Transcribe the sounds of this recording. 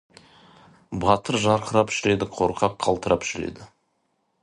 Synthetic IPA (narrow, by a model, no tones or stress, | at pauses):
bɑt̪əɾʒɑɾqʰəɾɑpʒɪɾe̞d̪ɪqʰo̞ɾqʰɑp̚qʰɑlˠt̪əɾɑpʒɪɾe̞̰d̪ɪ